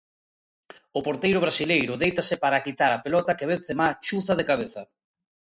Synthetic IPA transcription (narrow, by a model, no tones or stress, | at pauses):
ʊpoɾt̪ejɾʊβɾasilejɾʊðejt̪ɐsɪpaɾakit̪aɾapelɔt̪ɐkeβ̞en̟θemat͡ʃuθaðekaβ̞eθɐ